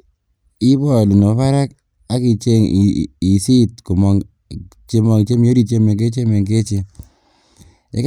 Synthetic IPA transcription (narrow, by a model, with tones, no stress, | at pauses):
i˦bɔ˨lu˨no˨pa˦ɾa˦k | a˦ki˨˧t͡ʃe˦ŋi˨si˦tko˨mɔ˨ŋ | t͡ʃe˦mɔ˨ŋi˨t͡ʃe˦m˦jo˦ɾi˦˨t͡ʃe˦me˨ŋke˦t͡ʃe˦me˨ŋke˦t͡ʃe˧ | ḛ˦k